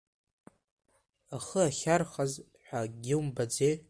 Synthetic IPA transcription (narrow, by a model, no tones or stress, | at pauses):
aχəaχʲarχaz | ħʷᶣaɡʲɪwmbad͡zej